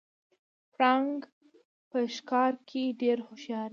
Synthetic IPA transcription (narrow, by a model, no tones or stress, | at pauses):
pɾɑŋɡ | pəʃkɑɾkʰeɖeɾhʊʃjɑɾ